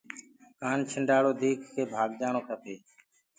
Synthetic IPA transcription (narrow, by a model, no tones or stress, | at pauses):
kaːnt͡ʃʰəɳɖaːɽoːd̪ʱiːkʰkʰeːbʱaːɡd͡ʒaːɳoːkʰəp̪ʰeː